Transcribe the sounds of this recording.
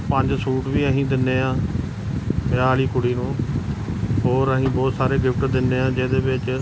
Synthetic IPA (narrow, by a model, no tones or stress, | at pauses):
pəɲd͡ʒsuːʈʋiːəɦĩːd̪ɪnːeːãː | pɪaːliːkʊɽiːnũː | ɦoːɾəɦĩːbɔːt̪saːɾeːɡɪpʰʈd̪ɪnːẽːãːd͡ʒeːd̪eːʋɪt͡ʃ